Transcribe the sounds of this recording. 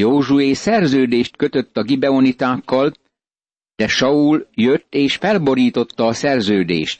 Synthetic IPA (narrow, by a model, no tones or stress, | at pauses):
joːʒueːsɛrzøːd̪eːʃt̪̚køt̪ø̞t̪ːɒɡibɛonit̪aːkːɒl | d̪̥ɛʃɒuljøt̪ːeːʃfɛlbo̞ɾiːt̪o̞t̪ːɒːsɛrzøːd̪ḛːʃt̪̚